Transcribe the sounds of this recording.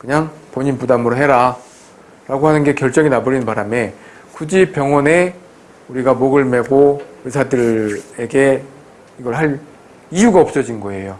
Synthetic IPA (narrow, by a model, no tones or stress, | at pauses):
kɯɲaŋpoɲinpudamɯɾoɦe̞ɾa | ɾaɡohanɯnɡe̞kjʌɭt͡ɕ͈ʌŋinaboɾinɯnpaɾame | kud͡ʑip͈jʌŋwʌne̞ | uɾiɡamoɡɯɭme̞ɡoɯɭsʰadɯɾeɡe̞ | iɡʌɭhaɾ | ijuɡaʌp̚s͈ʌd͡ʑinɡʌe̞jo